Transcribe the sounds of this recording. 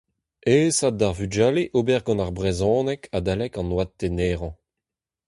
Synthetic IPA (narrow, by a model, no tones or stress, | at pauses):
eːsadaʁvyd͡ʒaːleʔobɛʁɡɔ̃naʁbʁezɔ̃ːnɛkʰad̪alɛkɑ̃nwad̚teneːʁɑ̃